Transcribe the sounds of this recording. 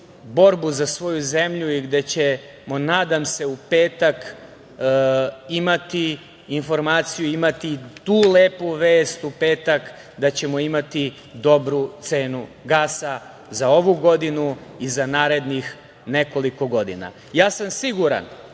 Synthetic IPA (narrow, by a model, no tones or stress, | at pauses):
bo̞ɾbuzasʋo̞juze̞mʎuiɡd̪e̞t͡ɕe̞ | mo̞naːd̪amse̞upe̞ːt̪ak | imat̪iː | nfo̞ɾmaːt̪sijuimat̪it̪uːle̞ːpuʋeːst̪upe̞ːt̪ak | d̪at͡ɕe̞moimat̪i | d̪o̞bɾut̪se̞ːnuɡaːsa | zao̞ʋuɡo̞d̪inuizanaːɾe̞d̪nix | ne̞ko̞liko̞ɡo̞d̪ḭna̰ | jaːsamsiɡuɾa̰n